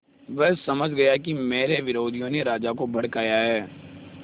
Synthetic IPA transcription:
ʋɛɦsɐməd͡ʒʱɡɐjakimeːɾeʋɪɾoːd̪ʱijõneɾaːd͡ʒakobɐɽkaːjaɦɛː

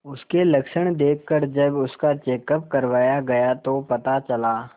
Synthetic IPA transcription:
ʊskelɐkʃəɽ̃d̪eːkʰːəɾd͡ʒɐbʊskat͡ʃeːkəp̚kɐɾʋaːjaɡɐjat̪opɐt̪at͡ʃɐlaː

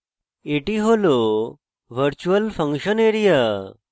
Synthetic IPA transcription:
eʈiɦolo | ʋəɾt͡ɕuəlfə̃ŋkɕəneɾija

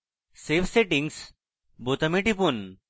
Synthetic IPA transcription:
seʋseʈiŋɡs | bot̪əmiʈipun

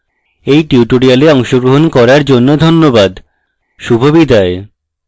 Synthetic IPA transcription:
ejʈiuʈoɾialeɔŋʃoɡɾoɦonkɔɾaɾd͡ʑonːod̪ʱonːobad̪ | ʃubʱobid̪ʱae

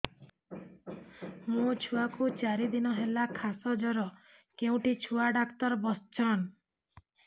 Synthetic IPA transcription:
mũt͡ʃʰuakut͡ʃaɾid̪inɔɦelakʰasɔd͡ʒɔɾɔ | keũʈit͡ʃʰuaɖakt̪ɔɾbɔst͡ʃʰɔn

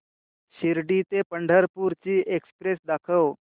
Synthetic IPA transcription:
ɕiɾɖit̪epəɳɖʱəɾpuɾt͡ɕiːʔekspɾesd̪akʰəw

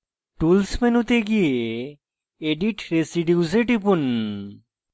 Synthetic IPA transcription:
ʈulsmenut̪eɡie | eɖiʈɾesiɖiuzeʈipun

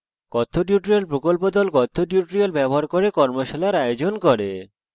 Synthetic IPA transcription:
kɔt̪ʰːoʈiuʈɾialpɾokolpod̪ɔlkɔt̪ʰːoʈjuʈɾialbɛboɦaɾkoɾekɔɾmoʃalaɾajod͡ʑonkɔɾe

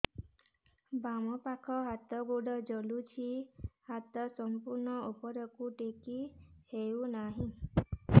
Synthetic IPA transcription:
bamɔpakʰɔɦat̪ɔɡoɽɔd͡ʒɔlut͡ʃʰihat̪ɔsɔmpuɾnɔupɔɾɔkuʈekihewnaɦĩ

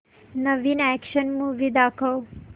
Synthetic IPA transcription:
nəʋinɛkʃənmuʋid̪akʰəw

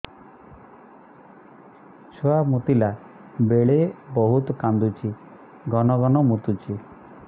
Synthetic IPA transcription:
t͡ʃʰoamut̪ila | beɭebɔɦut̪ɔkand̪ut͡ʃʰi | ɡɔnɔɡɔnɔmut̪ut͡ʃi

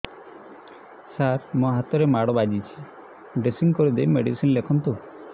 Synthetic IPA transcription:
saɾmoɦat̪ɔɾemaɽɔbad͡ʒit͡ʃʰi̥ | ɖɾesiŋɡkɔɾid̪ejmeɽisinlekʰɔnt̪u

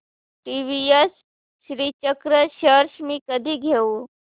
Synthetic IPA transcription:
ʈiːʋiesː | ɾiːt͡ʃəkɾəʃəɾʃmĩkəd̪ʱiɡʱeu

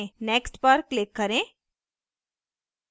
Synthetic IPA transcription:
neːksʈpəɾklɪkːəɾẽː

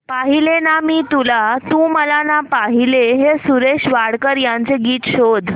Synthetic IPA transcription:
paɦilenamiːt̪ulat̪ũːməlanapaɦileɦesuɾeɕʋaɽkəɾjant͡seɡiːt̪ɕod̪ʱ

